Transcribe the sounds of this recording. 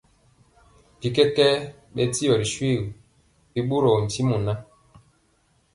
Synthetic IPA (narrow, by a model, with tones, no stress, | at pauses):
di˨kɛ˦kɛ˦ | ɓɛ˦ti˦jɔ˨ɾi˨ʃwi˦˨ | pi˦ɓu˦ɾɔ˨n̩˨ti˦mu˨na˦